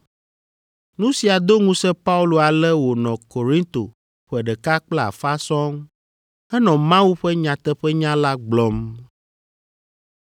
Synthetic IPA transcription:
nũ˦si˨a˨d̪o˦ŋũ˦sɛ˦pa˦u˦lo˨a˨lɛ˦wo˨nɔ̃˨ko˨ɾĩ˦nt̪o̰˨ | ɸɛ˨ɖɛ˨ka˦k͡pla˦˨a̰˨fa˦sɔ̃˦ŋ | ɛ˦nɔ̃˨mã˦wu˦ɸɛ˦ɲã˨t̪ɛ˦ɸɛ˦ɲã˦la˦ɡ͡blɔ˦m

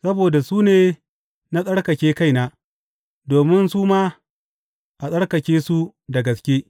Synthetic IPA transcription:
sɐ˦boː˨da˨suː˦neː˨ | na˦sʼɐ˦ɽkɐ˨kʲeː˦ka˦˨jnaː˨˦ | doː˨mɪ˦nsuː˦maː˦ | ʔa˨sʼɐ˦ɽkɐ˨kʲeː˦su˦da˨ɡɐ˨skʲeː˦

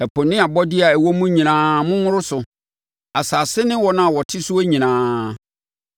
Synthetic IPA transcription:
æ˨pʰʊ˨nɪ̃˦a˨bɔ˦dɪ˦a˨æ˨wo˦mũ˦ɲĩ˨nãː˨˦mʊ̃˦ŋʊ̃˦ɾʊ˦sʊ˨ | a˨saː˨sɪ˦nɪ̃˦wɔ˨nã˦˨wɔ˨tʰɪ˦sʊ˦e˦ɲĩ˨nãː˨˦

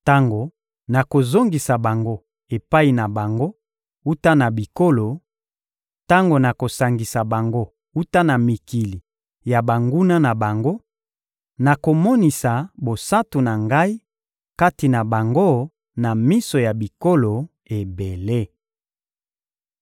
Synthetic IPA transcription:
ta˦ŋɡo˨ | na˨ko˨zo˦ŋɡi˨sa˨ba˨ŋɡo˦ | e˨pa˦i˨na˨ba˨ŋɡo˦ | u˦ta˦na˨bi˨ko˦lo˨ | ta˦ŋɡo˨na˨ko˨sa˨ŋɡi˨sa˨ba˨ŋɡo˦ | u˦ta˦na˨mi˨ki˨li˨ | ja˨ba˨ŋɡu˦na˦na˨ba˨ŋɡo˦ | na˨ko˨mɔ˦ni˨sa˨bo˨sa˦tu˨na˨ŋɡa˦i˦ | ka˦ti˨na˨ba˨ŋɡo˦ | na˨mi˦so˨ja˨bi˨ko˦lo˨ | e˨be˨le˦

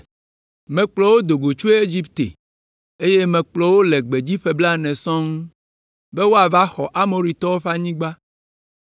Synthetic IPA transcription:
mɛ̃˨k͡plɔ˨wo˦d̪o˨ɡo˨t͡ʃu˦e˦e˦d͡ʑi˦pt̪ḛ˨ | e˦je˦mɛ̃˨k͡plɔ˨wo˦lɛ˨ɡ͡be˨d͡ʑi˦ɸe˨bla˦nɛ̃˨sɔ̃˦ŋu˦ | be˦wo˦a˨va˦xɔ˨ʔa˦mo˨ɾi˨t̪ɔ˦wo˦ɸa˦ɲĩ˦ɡ͡ba˦

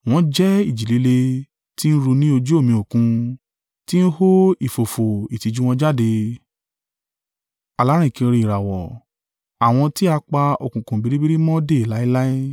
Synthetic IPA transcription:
w̃ɔ̃˧d͡ʒɛ˦i˦˨d͡ʒi˨li˨˧le˧ | ti˦n̩˦ɾu˧nĩ˦o˧d͡ʒu˦o˦˨mĩ˧o˨kũ˧ | ti˦n̩˦ho˦i˦˨fo˨fo˨i˨ti˨˧d͡ʒu˦w̃ɔ̃˧d͡ʒa˦˨de˧ | a˨la˨˦ɾ̃ĩ˦˨kĩ˧ɾĩ˧i˨ɾa˨wɔ˨ | a˨w̃ɔ̃˧ti˦a˧k͡pa˧o˨kũ˨kũ˨bi˨˧ɾi˦bi˦ɾi˦mɔ̃˦de˦˨i˨la˨˦i˦la˦i˦

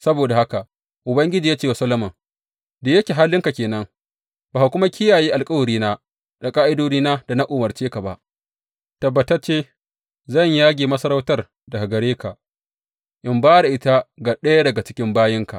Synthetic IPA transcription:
sɐ˦boː˨da˨ha˦ka˨ʔ | ʔʊ˨bɐ˦ŋɡʲɪ˦d͡ʒiː˨jaː˦t͡ʃeː˦wa˨sɐ˦lɐ˦mɐ˨ŋ | deː˨jɐ˦kʲeː˨ɦa˦lːɪ˦ŋka˨kʲeː˨nɐ˦ŋ | b̥aː˨ha˨kʷʊ˦ma˦kʲɪ˦jaː˨jeː˦ʔa˨lkʼɐ˦wɐ˨ɾiː˦naː˦ | da˨kʼaː˦ʔɪ˦doː˦niː˦naː˦da˨na˦ʔoː˨mɐ˨rt͡ʃeː˦ka˨ba̰˦ʔ | tɐ˨bːɐ˨tɐ˦t͡ʃeː˦ | zɐ˦˨ɲjaː˦ɡʲeː˨mɐ˦sɐ˦ɾa˦wtɐ˦r | da˨ha˨ɡɐ˨ɾeː˦ka˨ʔ | ʔɪ˨mbaː˦ɽa˨ʔɪ˦ta˦ɡa˨ɗɐ˦ja˦dɐ˨ɡa˨t͡ʃɪ̥˦kʲɪ˦mbaː˦jɪ˦ŋka̰˨ʔ

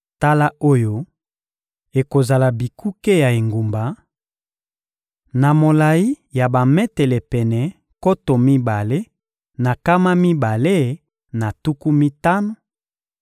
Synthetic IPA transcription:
ta˦la˦o˦jo˦ | e˨ko˨za˨la˨bi˨kʰu˦ke˦ja˨e˨ŋɡu˨mba˨ | na˨mo˨la˨i˦ | ja˨ba˨mɛ˦tɛ˨lɛ˨pɛ˨nɛ˨ | ko˦to˨mi˦ba˨le˦ | na˨ka˦ma˦mi˦ba˨le˦ | na˨tu˦ku˦mi˦ta˦no˨

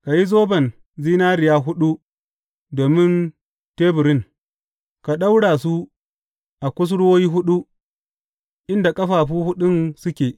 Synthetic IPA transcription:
ka˨ji˦zoː˦bɐ˨n | ziː˦naː˦ɾɪ˨jaː˦ɦʊ˦ɗu˦ | doː˨mɪ˦n | teː˦bʊ˨ɾɪ˦n | ka˨ɗa˦wɽaː˨su˦ | ʔa˨kʷʊ˦s̬ɽwoː˦ji˦ɦʊ˦ɗu˦ | ʔɪ˦nda˨kʼɐ˦ɸaː˨ɸuː˦hʊ˦ɗʊ˦nsʊ˦kʲeː˨

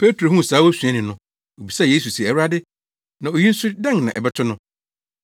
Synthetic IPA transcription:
pʰe˦tɾo˨ɦũ˦˨saː˨˦wo˦sɥɛ̃˦nɪ̃˨nʊ̃˦ | o˨bi˨sa˦˨jeː˦su˨si˨ɛ˨wɾa˦dɪ˦ | nã˨o˨ji˦n̩˦sʊ˦dɛ̃˦ŋnã˨ʔɛ̰˨bɛ˦tʰʊ˦nʊ̃˦

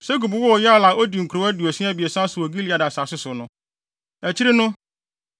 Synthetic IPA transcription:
sɛ˦ɡu˨bʊ˨˦wɔ˦˨jɛ˦a˦la˨ʔo˦di˨ŋ̩˨kʰɾo˨˦æ˦di˨ɔ˨sĩ˦a˦bi˨e˨sã˦sʊ˨o˨ɡi˦li˨˦a˨dɪ˨a˨sa˨sʊ˦sʊ˨nʊ̃˦ | æ˨t͡ɕʰi˦ɾɪ˦nʊ̃˦

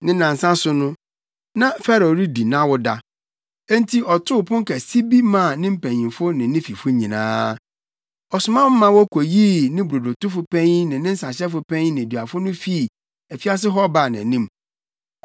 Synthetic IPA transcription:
nɪ̃˦nã˨n˨sã˦sʊ˨nʊ̃˦ | nã˨fɛ˦ɾo˨ɾi˦di˨nã˦wɔ˦da˨ | ɛ˦n˦tʰi˦ʔɔ˨tʰʊ˦˨pʰʊ̃˦ŋ˦kʰɛ˨si˦bi˦mã˦˨nɪ̃˦m̩˦˨pæ̃˨ɲĩ˨fʊ˦nɪ̃˨nɪ̃˦fi˨fʊ˦ɲĩ˨nã̰ː˦ | ɔ˨sʊ˨mã˦mã˦wɔ˦kʰo˨jiː˦nɪ̃˦bɾo˨do˨tʊ˦fʊ˨pʰɛ̃˦ɲ˦nɪ̃˨nɪ̃˦n̩˦sã˨ɕɛ˦fʊ˨pʰɛ̃˦ɲ˦nɪ̃˨dɥa˨fʊ˦nʊ̃˦fi˦˨ | æ˨fi˦a˦s̬ɪ˦ɦɔ˦ba˨nã˨nĩ˦m

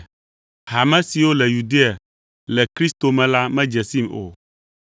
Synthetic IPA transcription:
ɦa˨mɛ̃˦si˨wo˦lɛ˨ju˨d̪e˦a˨ | lɛ˨kɾi˦st̪o˨mɛ̃˨la˦mɛ̃˦d͡ʒɛ˨si˦mo̰˨

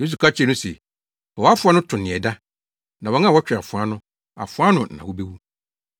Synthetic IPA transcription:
js̬u˨kʰa˦t͡ɕʰɛ˦nʊ̃˦sɛ˨ | ɔ˨wɔ˨˦a˦fʊ˦a˦nʊ̃˦tʰʊ̃˨nɪ̃˨ɛ˨da˦ | nã˨wɔ˨˦ã˦˨ɔ˦t͡ɕᶣɾa˨fʊ̃˨a˦nʊ̃˦ | a̰˨fʊ˨˦a˦nʊ̃˨nã̰˨wɔ˦be˦wu˦

